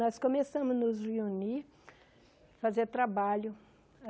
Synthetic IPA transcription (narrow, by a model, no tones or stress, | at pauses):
ɔskõmesɐ̃mʊznʊzheuni | fazeɾt̪ɾabaʎʊ